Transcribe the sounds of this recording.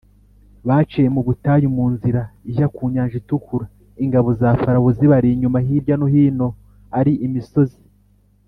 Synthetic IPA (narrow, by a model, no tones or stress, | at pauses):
βaːt͡ʃejemuβutajumuːnziɾaiʒakuːɲaːɲʒitukuɾa | iŋɡaβo̞zaːfaɾaβoziβaɾiɲumahiːɾɟanohiːno̞ | aɾiʔimiso̞zi̥